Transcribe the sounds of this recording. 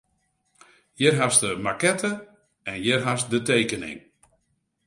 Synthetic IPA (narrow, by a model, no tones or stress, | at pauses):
jɪrɦasdəmakɛtʰə | ɛnjɪrɦasdəteːkənɪ̰ŋ